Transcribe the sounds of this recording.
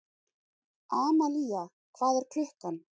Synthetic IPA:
aːmalia | kʰvaːðʏɾ̥kʰlʏhkan

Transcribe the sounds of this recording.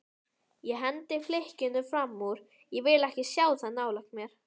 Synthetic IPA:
jɛɦɛnt̪ɪflehcɪnːʏfɾamːuɾ̥ | jɛvɪlɛhcɪsjaːwθaðnaːwlaknmjɛɾ̥

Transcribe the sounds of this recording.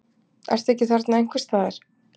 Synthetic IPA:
ɛ̰ɾst̪ɛhcɪθaɾt̪naejŋ̥kvɛɾ̥st̪aːðɪɾ̥

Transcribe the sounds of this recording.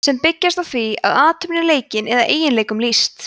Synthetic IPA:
sɛmpɪcːast̪awθviaðaːt̪ʰʏpnɪleːjcɪnɛðaʔeːjɪnleːjkʏmlist̪

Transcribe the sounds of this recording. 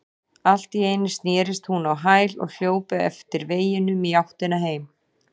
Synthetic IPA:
al̥t̪iejnɪst̪njɛːɾɪst̪hunawɦaːjlɔ̰ɣl̥joːwpʏɛ̰ft̪ɪɾveːjɪnʏmijawht̪ɪnaɦeːjm

